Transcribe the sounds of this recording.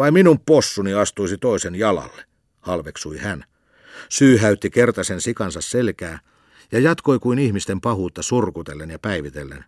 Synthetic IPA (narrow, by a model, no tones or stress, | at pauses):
ɑiminumpposːuniɑst̪uisit̪oisenjɑlɑ̰lːe̥ | hɑlʋeksuihæn | syːɦæyt̪ːikert̪ɑsensikɑnsɑsselkæː | jɑjɑt̪koikuinihmist̪empɑhuːt̪ːɑsurkut̪elːenjɑpæiʋit̪elːḛn